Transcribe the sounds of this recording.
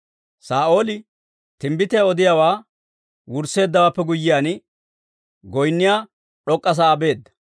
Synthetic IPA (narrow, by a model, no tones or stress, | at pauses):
saːʔo̞ːlɪ | t̪ɪmbɪt̪ɛɔd̪ɪjawaː | wʊɾsːe̞ːd̪ːɐwaːpːɛɡʊjːɪjaːnɪ | ɡɔjnːɪjaː | ɗɔkʼːɐs̬aːbe̞ːd̪ːɐ̥